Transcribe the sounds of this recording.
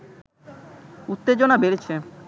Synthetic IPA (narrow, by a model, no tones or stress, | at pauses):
ut̪ːed͡ʑonabeɾt͡ɕʰe